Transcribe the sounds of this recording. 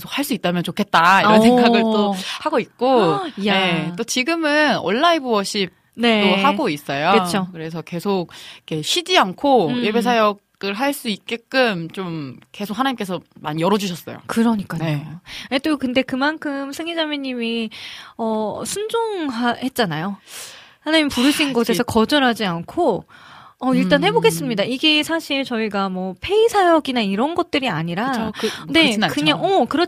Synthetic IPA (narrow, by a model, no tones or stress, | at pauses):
ksʰok̚haɭs͈uit͈̚amjʌnt͡ɕokʰet̚t͈aiɾʌsʰeŋɡaɡɯɭtt͈ohaɡoit̚k͈one̞t͈ot͡ɕiɡɯmɯno̰ɭːaibuwʌɕ͈ip̚ | netohaɡois͈ʌjokɯokɯɾe̞sʰʌke̞sʰok̚ikʰe̞ɕʰid͡ʑiankʰoje̞be̞sʰajʌk | ɯɭɦaɭs͈uit̚k͈e̞k͈ɯmt͡ɕomke̞sʰok̚hanaɲimk͈e̞s̬ʰʌmanjʌɾʌd͡ʑuɕʰʌs͈ʌ̰jo̰kɯɾʌɲik͈aneet͈okɯnde̞kɯmankʰɯmsʰɯŋid͡ʑamjʌɲːimiʌsʰund͡ʑoŋɦahe̞t̚t͡ɕ͈anajohanaɲimpuɾɯɕʰinɡosʰe̞sʰʌkʌd͡ʑʌɾɦad͡ʑiankʰo | ʌiɭt͈anhe̞boɡe̞s͈ɯmɲidaiɡe̞sʰaɕʰiɭt͡ɕʌiɡamwʌpʰe̞isʰajʌɡinaiɾʌnɡʌt̚t͈ɯɾiaɲiɾane̞kɯɲaŋʌkɯɾʌ